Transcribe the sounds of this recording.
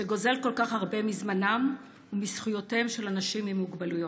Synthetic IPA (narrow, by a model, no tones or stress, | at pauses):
ʃeɡo̞ze̞lko̞lkaχhaʁbe̞mizmanam | umisχujo̞temʃe̞lanaʃimimuɡbalujo̞